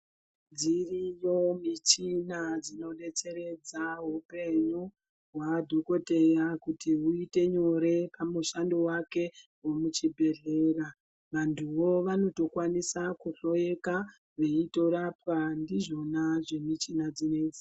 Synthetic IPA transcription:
d͡zirijo̞mit͡ʃinad͡zino̞ɗe̞t͡se̞ɾe̞d͡zaɦupe̞ɲu | ɦwadʱoko̞te̞jakutiɦuite̞ɲo̞ɾe̞pamuʃandowake̞ | womut͡ʃibʱe̞ɮe̞ːɾa | ʋantʰuʋo̞ʋano̞to̞kwanisakuɬo̞je̞ka | ʋe̞ito̞ɾapwandiʐo̞naʐe̞mit͡ʃinad͡zined͡zi

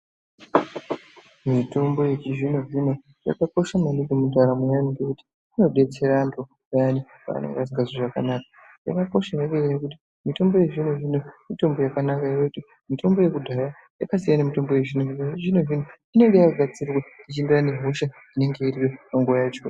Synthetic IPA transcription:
mito̞mbo̞je̞t͡ʃiʐinoʐino̞ | ja̰kako̞ʃamaniɡemudʱaɾamujaniŋɡekuti̥ | ino̞ɗe̞t͡se̞ɾando | ajani | pa̰ːnḛŋɡasiŋɡazoʐakanakḁ | ja̰kako̞ʃajaʋeɾaekut̬i̥ | mito̞mbo̞je̞ʐinoʐinomito̞mbo̞jakanakairouti | mito̞mbo̞je̞kudʱaja | ja̰kasijanemito̞mbo̞je̞ʐinoioʐino̞ʐin̤o | ine̞ŋɡejaɡʱat͡sirwait͡ʃindirane̞ɦoʃa | ine̞ŋɡe̞iriwepaŋɡuajat͡ʃo̰

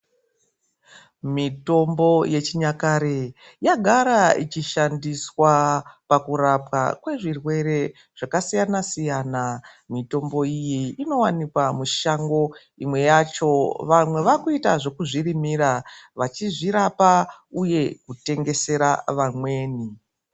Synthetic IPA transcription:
mito̞mbo̞je̞t͡ʃiɲakaɾe | jaɡʱaɾait͡ʃiʃandiswapakuɾapa̰kwe̞ʐirwe̞ɾe̞ | ʐ̥akasijanasijanamito̞mbo̞ijiino̞wanikwamuʃaŋɡo̞ | imwe̞jat͡ʃo̞ʋamwe̞ʋakuitaʐo̞kuʐirimiɾaʋat͡ʃiʐiɾapauje̞kute̞ŋɡe̞se̞ɾaʋamwe̞ːni

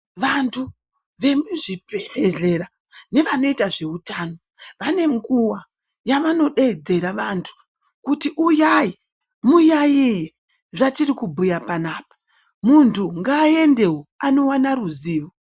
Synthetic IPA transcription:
ʋantʰu | ʋe̞muʐipeheɮe̞ɾa | ne̞ʋano̞itaʐe̞utaːno̞ | ʋane̞ŋɡuwa | jaʋano̞ɗed͡ze̞ɾaʋantʰu̥ | kutiʔujaji | mujajije | ʐat͡ʃirikubʱujapanaːpḁ | muntʰuŋɡaːe̞nde̞woano̞wanaruziːʋo

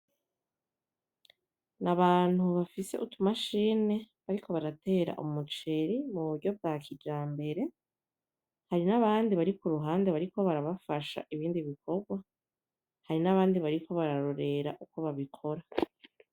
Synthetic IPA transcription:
naβaːn̥huβafise̞ʔutumaʃiːne̞ | βaɾikʰo̞βaɾate̞ːɾa̰ʔṵmut͡ʃe̞ɾimuβuɾɟo̞b̚ɡaːkid͡ʒaːmbe̞ɾe̞ | haɾinaβaːndiβaɾikuɾuɦaːnde̞βaɾiko̞βaɾaβafaʃa̰ʔiβiːndiβikʰo̞ɡwa | haɾinaβaːndiβaɾikʰo̞βaɾaɾo̞ɾe̞ɾa̰ʔuko̞βaβikʰo̞ɾa

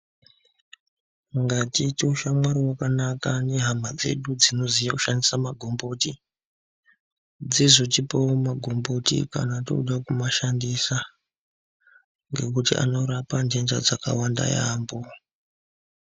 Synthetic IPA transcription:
ŋɡatitiuʃamwaɾiwakanakane̞ɦamad͡ze̞̰ɗud͡zino̞zijakuʃandisamaɡʱo̞mboti | d͡zizo̞tipoomaɡʱo̞mbotḭka̰nato̰uɗakumaʃandisa | ŋɡe̞̰kutiʔa̰no̞ɾapand͡ʒend͡ʒad͡zaka̰wanda̰ja̰ːmbo

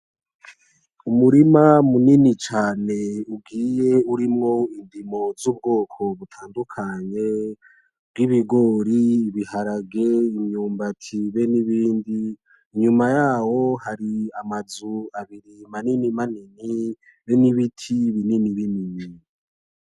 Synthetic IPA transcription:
umuɾimamuninit͡ʃaːne̞ubɡiːje̞uɾimŋo̞indimo̞zub̚ɡo̞ːkʰo̞βutʰaːndukʰaɲe̞ | bɡiβiɡo̞ɾiːβihaɾaɡe̞imɲuːmbatʰiβeniβiːndi | ɲumajaːwo̞haɾiamazuaβiɾimaninimanini | βeniβitʰiβininiβinini

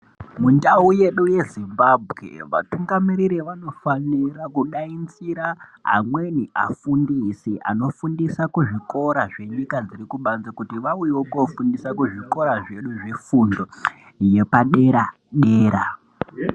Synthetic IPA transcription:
mundauje̞ɗuje̞zimbabʱɣḛʋa̰tuŋɡamiɾiɾiʋano̞fanirakuɗaint͡siɾaɦa̰mwe̞niʔa̰fundisiʔa̰no̞fundisakuʐiko̞ɾaʐe̞ɲikad͡zirikuɓanzakutiʋaujewokofundisakuʐiko̞ɾaʐe̞ɗuʐe̞fundo̞ | je̞paɗe̞ɾa | ɗe̞ːɾa

